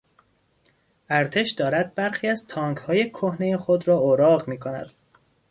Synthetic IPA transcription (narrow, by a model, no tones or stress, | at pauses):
ʔæɾt̪ʰe̞ʃd̪ɒːɾæd̪̚bæɾxiːæzt̪ʰɒːŋkhɒːjekʰohne̞jexod̪ɾɒːoːɾɒːɣmiːkʰonæ̰d̪̥